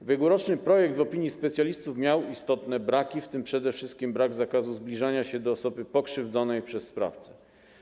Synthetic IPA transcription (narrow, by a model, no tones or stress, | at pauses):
vʲjɛɡwɔɾɔt͡ʂnɘpɾɔjɛɡ̚d̪vɔpʲiɲjispɛt̪sʲjalʲist̪ufmʲjawist̪ɔt̪nɛbɾakʲift̪ɘmpʂɛd̪ɛfʂɘst̪̚kʲimbɾaɡzakazuzblʲiʐaɲaɕɛd̪ɔːsɔbɘpɔkʂɘvd̪zɔnɛjpʂɛsːpɾa̰ft̪sɛ